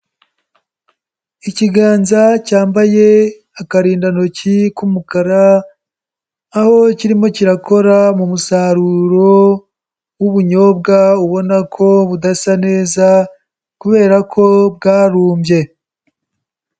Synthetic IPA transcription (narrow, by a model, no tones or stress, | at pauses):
iciɡaːnzacaːmbaje̞ | akaɾiːndanocikumukaɾa | ho̞ciɾimo̞ciɾakʰo̞ɾamumusaɾuɾo̞ | wuβuɲo̞b̚ɡauβo̞nakʰo̞βudasane̞ːza | kuβe̞ːɾakʰo̞b̚ɡaːɾuːmbje̞